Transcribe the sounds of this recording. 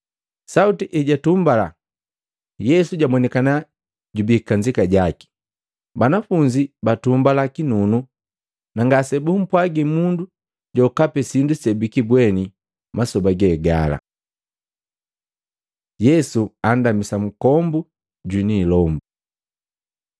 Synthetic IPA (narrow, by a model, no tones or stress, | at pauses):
sautiʔɛɟatumbala | jɛsuɟamwɔnɛkana | ɟubikaɲd͡ʒikaɟaki̥ | banafuɲd͡ʒibatumbalakinunu | naŋɡasɛbum̩pwaɡimundu | ɟɔkapɛsindusɛbikibwɛni | masɔbaɡɛːɡala̰ | jɛsuandamisam̩kɔmbu | ɟwiniːlɔmbu